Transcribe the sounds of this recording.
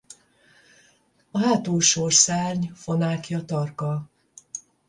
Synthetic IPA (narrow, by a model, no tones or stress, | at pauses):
ɒɦaːt̪oːʃorsaːrɲfo̞naːkiɒt̪ɒrkɒ